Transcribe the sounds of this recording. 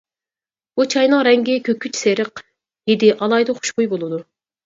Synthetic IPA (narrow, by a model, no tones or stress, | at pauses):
b̥ut͡ʃʰɑjnɨŋɾɛŋɡʲɪkʲʰøkʰʲːyt͡ʃseɾəq | jed̪ɪʔɑlˠɑjd̪ɨχu̥ʃbujbolˠɨd̪u